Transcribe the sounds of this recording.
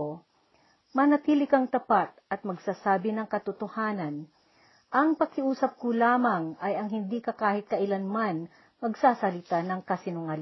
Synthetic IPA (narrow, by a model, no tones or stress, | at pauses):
o | mɐnɐt̪iːlɪkɐŋt̪ɐpat̪̚ʔɐt̪̚mɐɡsasaːbɪnɐŋkɐt̪ʊt̪ohaːnɐn | ʔɐŋpɐɡkɪuːsɐp̚kʊlaːmɐŋɐjɐŋɦɪnd̪iːkɐkaːhɪt̪̚kɐʔɪlanman | mɐɡsaːsɐlɪt̪anɐŋkɐsɪnʊŋal